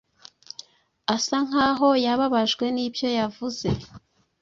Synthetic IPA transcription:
asaŋ̥aɦo̞jaβaβaʒɡwe̞nibjo̞javuze̞

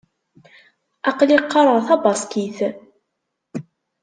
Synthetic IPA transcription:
ɑqliqːɑɾˤəʁˤθɑbɑskiθ

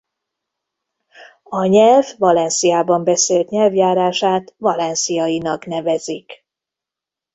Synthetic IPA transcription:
ɒɲɛlvːɒlɛnsijaːbɒmbɛseːlt̪ɲɛlvjaːɾaːʃaːt̪vɒlɛnsijɒjinɒknɛvɛzik

